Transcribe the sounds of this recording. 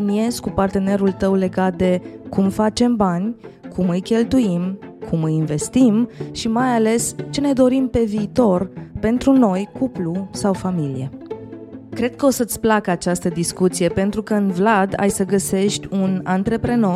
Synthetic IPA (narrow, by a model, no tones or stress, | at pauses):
inie̞zkupart̪e̞ne̞ɾult̪əwle̞ɡat̪̚d̪e̞kumfat͡ʃe̞mbanʲkʰumɨjkʲe̞lt̪uimkʰumɨjinve̞st̪imʃimajale̞st͡ʃe̞ne̞d̪o̞ɾimpe̞viːt̪o̞rpe̞nt̪ɾuno̞jkuplusawfamilḭe | kɾe̞d̪̚kəo̞sət̪sʲplakəat͡ʃast̪əd̪iskut̪sije̞pe̞nt̪ɾukəɨnvlad̪a̰jsəɡəse̞ʃt̪ʲunant̪ɾe̞pɾe̞no̞